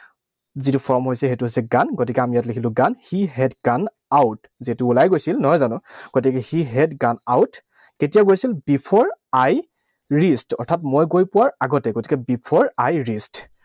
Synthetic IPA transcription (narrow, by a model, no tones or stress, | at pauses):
zitʊpʰɔɹmɦojsɛɦetʊɦojsɛɡanɡotikɛamijatlekʰilʊ̃ɡanhiɦɛdɡan | awt | zitʊːlajɡojsilnɔɦɔjzanʊ̃ɡ̥otikɛhiɦɛdɡanawt | ketijaɡojsilbipʰɔɹaj | ɹistɔ̰ɹtʰatmojɡojpʊwaɹaɡɔtɛɡoti̥kɛbipʰɔɹajɹist